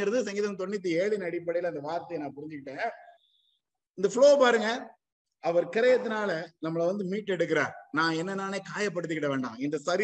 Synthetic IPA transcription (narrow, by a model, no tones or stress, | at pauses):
ɐɾɐðɯs̬ɐŋɡɪðɐmt̪ɔɳːɪt̪̬ːieːɭɪnɐɽɪpːɐɽɐɪjɪlɐɪnd̪ɐʋaːɾt̪ːɐjɐnãːpʊɾɪɲd͡ʒɯkɪʈːẽː | ɪnd̪ɐfɭoːpaːɾɯŋɡɐ | ɐʋɐɾkɪɾɐjɐt̪ːɪnaːlɐnɐmːɐɭɐʋɐnd̪ɯmiːʈːɛɽɯk̬ːɪɾaːnãːɛnːɐnːaːneːkaːjɐp̬ːɐɽɯt̪ːɯkɪʈːɐʋeːɳɖãːɪnd̪ɐsɐɾɪ